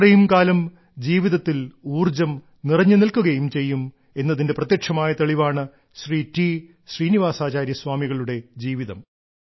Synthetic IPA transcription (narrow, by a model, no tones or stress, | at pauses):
rɐjumkaːlɐm | d͡ʑiːʋiðɐt̪ːiluːrd͡ʑɐm | nirɐɲːɨnilkuɣɐjumt͡ɕe̞jːum | e̞nːɐðinde̞prɐt̪jekʂɐmaːjɐt̪ɐɭiʋaːɳɨ | ɕriːti | ɕriːniʋaːsaːt͡ɕaːɾjɐsʋaːmiɣɐɭuɽe̞d͡ʑiːʋiðɐm